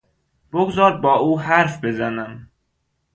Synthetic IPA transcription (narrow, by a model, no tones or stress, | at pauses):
b̥oɡzɒːɾd̪̚bɒːuːhæɾfbe̞zænæm